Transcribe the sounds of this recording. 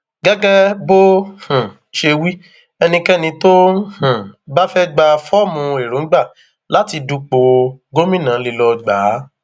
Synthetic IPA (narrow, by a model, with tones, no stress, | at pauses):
ɡɛ˦ɡɛ˦bo˦hũ˨ | ʃe˧wi˦ | ɛ˧nĩ˧kɛ˦nĩ˧to˦hũ˨ba˦fɛ˦ɡ͡ba˧fɔ˦˨mũ˧e˨ɾõ˨˦ɡ͡ba˦˨ | la˨˦ti˧du˧k͡po˧ɡo˦mĩ˦nã˨˦li˧lɔ˧ɡ͡ba˨˦